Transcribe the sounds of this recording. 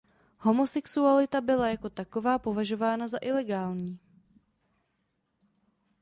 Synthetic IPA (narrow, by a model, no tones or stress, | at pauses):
ho̞mo̞sɛksualɪt̪abɪlajako̞t̪ako̞vaːpo̞vaʒo̞vaːnazaʔɪlɛɡaːlɲiː